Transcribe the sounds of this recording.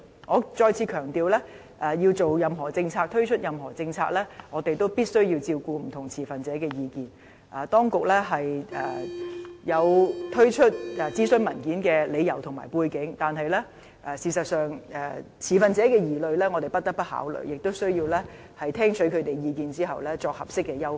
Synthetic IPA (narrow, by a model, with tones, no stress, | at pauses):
ŋɔː˨˧t͡ʃɔː˧jt͡sʰiː˨˧kʰœː˨˩ŋt̪iː˨wlɛː˥ | ʔɛː˨˩ji˧wt͡so˨wjɐ˨mɦɔː˨˩t͡sɪ˧ŋt͡sʰaː˧k̚t̪ʰɵ˥ɥt͡ʃʰɵ˥t̚jɐ˨mɦɔː˨˩t͡sɪ˧ŋt͡sʰaː˧k̚lɛː˥ŋɔː˨˧t̪e˨jt̪o˥wpiː˥t̚sɵ˥ɥji˧wt͡siː˧wkuː˧m̩˨˩t̪ʰʊ˨˩ŋt͡sʰiː˨˩fɐ˨nt͡sɛː˨˥kɛː˧jiː˨˧kiː˨n | ʔa˨t̪ɔː˥ŋkʊ˨k̚lɛː˥ɦɐ˨jɛː˨˩jɐ˨˧wt̪ʰɵ˥ɥt͡ʃʰɵ˥t̚ɛ˨t͡siː˥sɵ˥nmɐ˨˩nkiː˨˥nkɛː˧le˨˧jɐ˨˩wt̪ʰʊ˨˩ŋma̰ː˨˩jpuː˧jkɪ˨˥ŋt̪aː˨nɦɐ˨jlɛː˥ | ʔɛː˨˧siː˨˩sɐ˨t̚sœː˨˩ŋɛː˧˩t͡sʰiː˨˩fɐ˨nt͡sɛː˨˥kɛː˧jiː˨˩lɵ˨˧ɥlɛː˥ŋɔː˨˧t̪e˨˩jpɐ˥t̚t̪ɐ˥k̚pɐ˥t̚ha̰ː˨˥wlɵ̰˨ɥjɪ˨k̚t̪o˥wsɵ˥ɥjiː˧wlɛː˥ | hɐ˨jt̪ʰɛː˥ŋt͡ʃʰɵ˨˥kʰɵ˨˧t̪e˨jjiː˨˧kiː˨˧nt͡siː˥ɦɐ˨wlɛː˥t͡sɔː˧k̚hɐ˨˩p̚sɪ˥kːɛː˧jɐ˥w